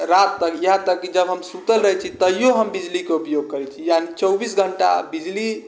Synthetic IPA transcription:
ɾat̪ːəkjəɦãt̪əkːid͡ʒəbɦəmsut̪əlɾəɦɛt͡ʃʰit̪əjoɦəmbid͡ʒlikeupjoɡ̚kəɾɛt͡ʃʰijanit͡ʃəwbisɡʱəɳʈa̰bid͡ʒli

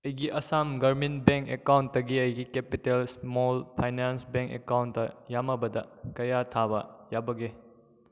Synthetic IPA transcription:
ɐjɡiʔɐsamɡɐɾminbeŋkekawntːɐɡiɐjɡikepitelsmolpʰajnansbeŋkḛkawntːɐjamɐbɐdɐkɐjatʰabɐjabɐɡe

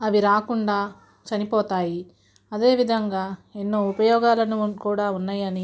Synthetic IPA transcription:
ɐʋiɾaːkuɳɖaː | t͡ʃɐnipɔːt̪aːji | ɐd̪e̞ːʋid̪ʱɐŋɡaːenːoːupɐjɔːɡaːlɐnukuːɽaːunːaːjɐni

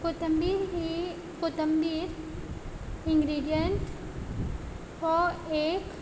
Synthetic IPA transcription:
kot̪əmbiːɾɦi | kot̪əmbiːɾ | ɪ̃ŋɡɾiːɖijəɳʈ | fɔɾeːk

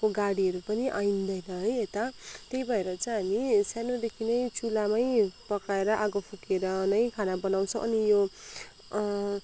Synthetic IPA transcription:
koɡaɽiʌɾupʌniʔajnd̪ʌjnʌɦʌjet̪at̪ejbʱʌeɾʌt͡sʌ̃ɦamisanod̪ekʰinʌjt͡sʰulamʌjpʌkaeɾʌʔaɡʌpʰukeɾʌnʌjkʰanabʌnaw̃t͡sʰʌ̃ʔʌ̰nijo

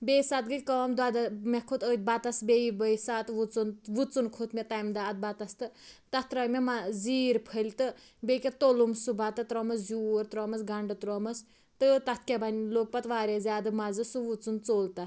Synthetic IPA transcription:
bejsat̪̚ɡɨkɐːmd̪ad̪amɛkʰut̪ət̪̚ʲbat̪ɐsbʲeibəjsat̪ʋut͡sunʋut͡sunkʰut̪ʰmɛt̪ɐjmd̪aːt̪̚bat̪ɐst̪ɨt̪ɐt̪t̪ɾɐmɛmaziːɾpʰəlʲt̪ɨ | bekʲet̪olumsubʱat̪ɨt̪ɾɔmɐs̬zuːɾt̪ɾɔːmɐsɡɐɳɖɨt̪ɾɔːmɐs | t̪ɨt̪ɐt̪̚ʰkʲebaniloːk̚pɐt̪ʋaːɾʲezʲaːd̪ɨmɐzɨsuʋut͡sunt͡soːlt̪ɐ

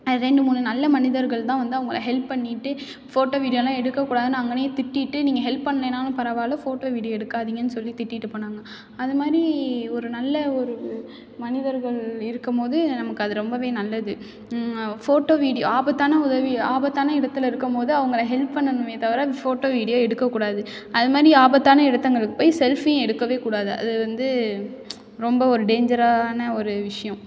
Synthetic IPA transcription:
ɾɛɳɖɯmuːnɳːɯnɐlːɐmɐnɪðɐɾɣɐɭt̪ãːʋɐnd̪ɯɐʋɐŋɡɐɭɐ̰ɦɛlppːɐɳːɪʈːɯ | foːʈːoːʋiːɽɪjolãːɛɽɯkːɐkːuːɽaːðɯnaːŋɡɐneːt̪ɪʈːɪʈːɯniːŋɡɐɦɛlpːɐɳːɐneːnːaːlɯ̃pɐɾɐʋaːlɐfoːʈoːʋiːɽɪjoɛɽɯkːaːðɪŋɡɐnːɯsɔlːit̪ɪʈːɪʈːɯpɐɳːaːŋɡɐ | ɐðɯmaːd̪ɾiɔɾɯnɐlːɐɔɾɯ | mɐnɪðɐɾɣɐɭɪɾɯkːɯmpoːðɯnɐmɐkːɯɐðɯɾɔmbɐʋeːnɐlːɐɪðɯ | foːʈoːʋiːɽɪjo̰aːbɐt̪ːaːnɐʊðɐʋiaːbɐt̪ːaːnɐɪɽɐt̪ːɯlɐɪɾɯkːɯmpoːðɯɐʋɐŋɡɐɭɐɦɛlpːɐɳːɐnɯ̃mʋeːt̪ɐʋɪɾaːfoːʈoːʋiːɽɪjoɛɽɯkːɐkːuːɽaːðɯ | ɐðɯmaːd̪ɾiaːbɐt̪ːaːnɐɪɽɐt̪ːɐŋɡɐɭɯkːɯpːoːjsɛlfij̃ɛɽɯkːɐʋeːkuːɽaːðɯʔɐ̰ðɯʋɐnd̪ɯ | ɾɔmbɐɔɾɯɖeːɲd͡ʒɐɾaːnɐɔɾɯʋɪʂɐjɐ̃

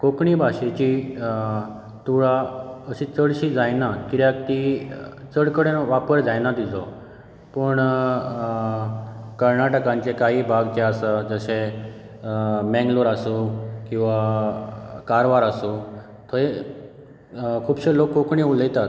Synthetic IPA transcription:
kokɳibʱaɕet͡ɕi | t̪uɭaəɕit͡səɽɕid͡zajnakiɾjakt̪it͡səɽkəɽenʋapəɾd͡zajnad̪it͡sɔ | pəɳ | kəɾnaʈəkãɲt͡sekaɦiːbʱaɡt̪jaəsəd͡zəɕe | mɛ̃ŋɡloɾasukĩw̃ʋa | kaɾʋaɾasu | t̪ʰoe | kʰuːbɕelokːokɳiuləjt̪at̪

